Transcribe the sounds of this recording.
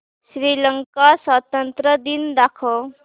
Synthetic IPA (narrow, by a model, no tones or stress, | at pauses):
sɾilʌŋkaswʌt̪ənt̪ɾʌd̪ind̪akʰo